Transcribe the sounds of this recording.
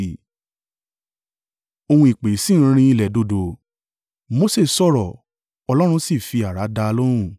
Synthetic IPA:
o˧hũ˧i˨k͡pe˨˦sĩ˦˨˦ɾ̃ĩ˧i˧lɛ˨do˧˨do˧ | mo˦se˦˨sɔ˦˨ɾɔ˨ | ɔ˧lɔ˦ɾ̃ũ˧si˦˨fi˧a˨ɾa˨˦da˧lo˦ɾ̃ũ˦˨

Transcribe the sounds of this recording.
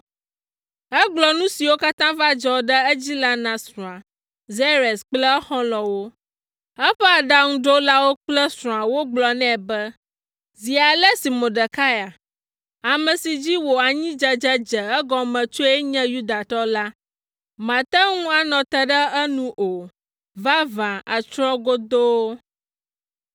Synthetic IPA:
ɛ˦ɡ͡blɔ˨nũ˦si˨wo˦ka˦t̪ã˦va˦d͡ʒɔ˦ɖə˦ə˦d͡ʑi˦la˦nã˨sɾɔ̃˨a˨ | ze˦ɾe˨sk͡plə˦xɔ̃˦lɔ̃˨wo˦ | ɛ˦ɸɛ˦a˨ɖa˦ŋũ˦ɖo˦la˦wo˦k͡plə˦sɾɔ̃˨a˨wo˦ɡ͡blɔ˨nɛ̃˦˨bə˦ | zi˨a˨lɛ˦si˨mõ˨ɖə˨ka˦ja˨ | a˨mɛ̃˨si˨d͡ʑi˦wo˨a˨ɲĩ˦d͡ʒa˦d͡ʒɛ˦d͡ʒɛ˨ɛ˦ɡɔ̃˨mɛ̃˨t͡ʃo˦ɛ˦ɲɛ̃˦ju˦d̪a˨t̪ɔ˦la˦ | mã˨t̪a˦ŋũ˦a˨nɔ̃˨t̪ɛ˦ɖə˦ə˦nũ˦ʔo˨ | va˦vã˨a˨t͡ʃɾɔ̃˦ɡo˦d̪o˦wo˦

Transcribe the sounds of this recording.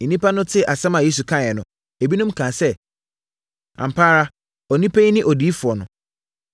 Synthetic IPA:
nĩ˦pa˦nʊ̃˦tʰɪ˦ʔa˨sã˦mã˨je˦s̬u˨kʰã˦˨ɛ˨nʊ̃˨˦ | e˨bi˦nʊ̃˦mkʰãː˨sɛ˦ | ã̰˨m̩˨pʰaː˦ɾa˦ | ɔ˨nĩ˦pʰe˦i˦nɪ̃˦ʔɔ˨di˨˦fʊ˨ɔ˨nʊ̰̃˨

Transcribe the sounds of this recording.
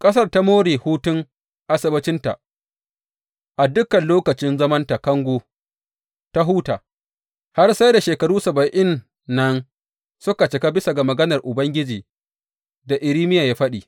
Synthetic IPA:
kʼɐ˦s̬ɐ˦rta˦moː˦ɽeː˨huː˦tʊ˦ŋ | ʔa˦sɐ˦bɐ˦t͡ʃɪ˦nta̰˨ | ʔa˨dʊ˦kːɐ˨nloː˦kɐ˨t͡ʃɪ˦nzɐ˦mɐ˦nta˨kɐ˦ŋɡʷoː˦ | ta˦ɦuː˦taː˨ | ha˦rsa˦jda˨ʃeː˨kɐ˨ɽuː˦sɐ˨bɐ˨ʔɪ˦nː | ɐ˦n | sʊ˦ka˨t͡ʃɪ˨ka˦bɪ˦sa˨ɡa˨mɐ˨ɡɐ˦nɐ˨rʔʊ˨bɐ˦ŋɡʲɪ˦d͡ʒiː˨ | da˨ʔɪ˨ɾiː˦mɪ˦jaː˨jaː˦ɸɐ˦ɗiː˨

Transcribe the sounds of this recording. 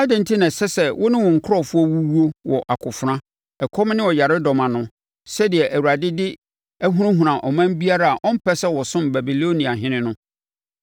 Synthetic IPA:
a˦dɛ̃˨n˨tʰi˦nã˨sɛ˦sɛ˨wʔɔ˦nɪ̃˦wɔ̃˨ŋ̩˨kʰʊ˦ɾɔ˦˨fʊ˦ɔ˦wu˦wu˦o˦wɔ˨ʔa˨kʰʊ˨fʊ˨ɾã˦ | ɛ˨kʰɔ˦m˦nɪ̃˦wɔ˨ja˨ɾɪ˦dɔ˨mã˨nʊ̃˦ | sɛ˦dɪ˨ɛ˨ʔæ˨wu˨ɾa˨dɪ˦dɪ˦ | æ˦ɦũ˦ʊ̃˦ɦũ˨ɾã˨ʔɔ˨mã˦m˦bi˦a˦ɾa˦a˨ʔɔ̃˦m̩˦pʰɛ˦sɛ˦wɔ˨sʊ̃˦mba˨bi˨lo˦nĩ˨a˨ɦɪ̃˦nɪ̃˦nʊ̃˦

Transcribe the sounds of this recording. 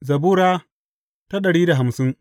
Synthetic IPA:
zɐ˨buː˦ɾaː˦ | ta˦ɗɐ˨ɽiː˦da˨ɦa˨msɪ˦ŋ

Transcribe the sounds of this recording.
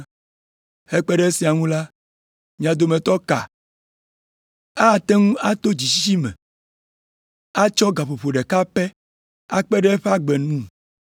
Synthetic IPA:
he˦k͡pɛ˦ɖɛ˦e˦si˨a˨ŋũ˦la˦ | mĩ˦a˨d̪o˨mẽ˨t̪ɔ˦ka̰˨ | a˦˨t̪ɛ˦ŋũ˦a˦t̪o˦d͡ʑi˨si˦ʃi˦mɛ̰̃˨ | a˦t͡ʃɔ˦ɡa˨ɸo˨ɸo˨ɖɛ˨ka˦ɸɛ˦ | a˦k͡pɛ˦ɖɛ˦e˦ɸe˦a˦ɡ͡bɛ˨nũ˦˨

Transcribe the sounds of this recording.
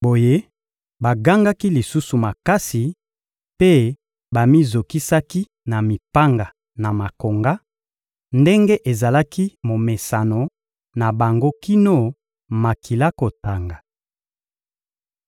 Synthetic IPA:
bo˨je˦ | ba˨ɡa˦ŋɡa˦ki˦li˨su˦su˨ma˨ka˦si˨ | pe˦ | ba˨mi˦zo˨ki˦sa˦ki˦ | na˨mi˨pa˦ŋɡa˨ | na˨ma˨ko˨ŋɡa˦ | nde˦ŋɡe˦ʔe˨za˨la˦ki˦mo˨me˨sa˨no˨ | na˨ba˨ŋɡo˦ki˦no˦ | ma˨ki˨la˦ko˨ta˨ŋɡa˨

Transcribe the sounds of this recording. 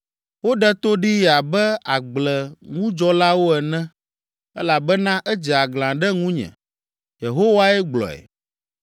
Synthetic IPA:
wo˦ɖɛ˦t̪o˦ɖi˦ja˨bɛ˦a˨ɡ͡blɛ˨ŋũ˦d͡ʒɔ˦la˦wo˦ɛ˨nɛ̃˦ | ɛ˦la˨bɛ˦nã˦ʔɛ˦d͡ʒɛ˨a˨ɡlã˨ɖɛ˦ŋũ˦ɲɛ̰̃˨ | je˨ɦo˦wa˦ɛ˦ɡ͡blɔ̰˨ɛ̰˨

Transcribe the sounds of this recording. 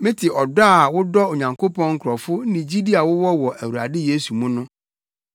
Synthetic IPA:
mɪ̃˦tʰɪ˨ʔɔ˨da˦˨wʊ˦dɔ˦o˨ɲã˨ŋkʰo˦pʰɔ̃˦ŋ̩˦kʰʊ˨ɾɔ˨fʊ˦nɪ̃˨d͡ʑi˦di˦a˨wʊ˦wɔ˦wɔ˨ʔæ˨wu˨a̰˨dɪ˦je˦su˨mũ˦nʊ̃˦

